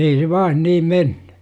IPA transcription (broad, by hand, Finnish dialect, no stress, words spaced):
ei se ʋɑːn niːm menn̥ẙ